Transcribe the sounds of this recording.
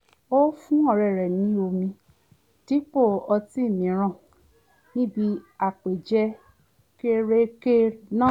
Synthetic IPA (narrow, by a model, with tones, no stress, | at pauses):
o˦fũ˦ɔ˦˨ɾɛ˨ɾɛ˨nĩ˨˦o˧mĩ˧ | ti˦k͡po˦˨ɔ˧ti˦˨mĩ˨˦ɾ̃ã˦˨ | nĩ˦bi˧a˨k͡pe˨d͡ʒɛ˦ | ke˦ɾe˦ke˦nã˦